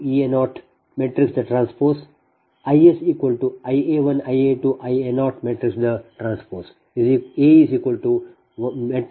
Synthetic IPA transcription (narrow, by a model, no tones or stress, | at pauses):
ienɔːʈ | meːʈɾɪksd̪əʈɾãːnspoːɾs | aɪesiːkʋəlɖʈuaɪeːʋɐ̃najeːʈuʔaɪenɔːʈmeːʈɾɪksd̪əʈɾãːnspoːɾs | izieːiziːkʋəlɖʈu | ʋmeʈ